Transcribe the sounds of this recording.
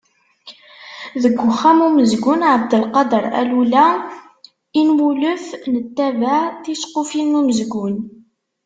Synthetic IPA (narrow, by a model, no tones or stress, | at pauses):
ðəɡʷːʊχːæmuməzɡʊnʕəbd̪əlqɑd̪əɾˤæ̰lulæ | inwuləfnət̪ːævæθisqofinːuməzɡʊn